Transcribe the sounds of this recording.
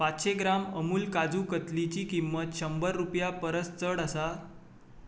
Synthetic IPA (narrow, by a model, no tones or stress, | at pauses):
patɕeɡɾaməmuːlkad͡zuːkət̪lit͡ɕiːkimːət̪ɕəmbəɾːupjapəɾəst͡səɽəsa